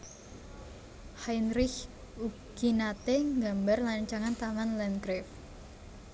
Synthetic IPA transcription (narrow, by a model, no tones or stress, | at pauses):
hajnɾɪh | u | ɡ̥inat̪eŋɡambarlaɲt͡ʃaŋant̪amanlɛnkɾɛf